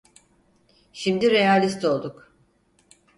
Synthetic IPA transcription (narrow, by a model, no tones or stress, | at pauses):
ʃimd̪iɾejalʲist̪ʰo̞lˠd̪uk